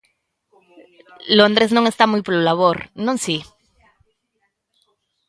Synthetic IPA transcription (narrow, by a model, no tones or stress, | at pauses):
lõnd̪ɾeznõŋe̞st̪amujpoɾlolaβ̞oɾnõŋsi